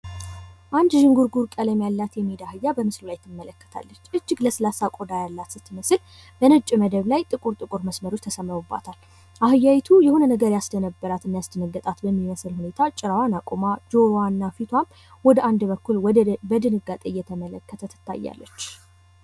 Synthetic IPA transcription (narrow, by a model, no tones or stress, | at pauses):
ʔand̪ʒɨŋɡuɾɡuɾkʼələmjalːat̪jɛmed̪ahɨjːabəmɨslulajt̪ʰːɨmːələkːə̥t̪ʰa̰lːət͡ʃːʔɨd͡ʒːɪɡləslasakʼod̪ajalːat̪sɨt̪ːɨməsɨl | b̥ənɨt͡ʃʼːməd̪əβlajt̪ʼɨkʼuɾt̪ʼɨkʼuɾməsməɾo̞t͡ʃːt̪ʰəsəmːəβubːa̰t̪ʰal | ʔaɦɨjːawjt̪ʰujɛhunnəɡəɾjasd̪ənəbːəɾat̪ɨnːajasd̪ənəɡːət̪ʼat̪bəmːiməsɨlhune̞t̪ʰat͡ʃʼɪɾawanakʼomad͡ʒo̞ɾwanːafit̪ʰwam | wɔd̪əʔand̪bəkːulwɔbəd̪ɨnɨɡat̪ʼejːɛt̪ʰəmələkːət̪ʰət̪ʰɨ̥t̪ʰːa̰jːa̰lːə̰t͡ʃː